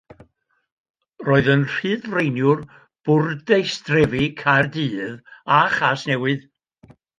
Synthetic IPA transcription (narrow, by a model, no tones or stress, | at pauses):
roːɨðənr̥ɨːðrejnjʊr | b̥ʊrdejstrɛvikʰardɨːðaχaːsnɛwɨð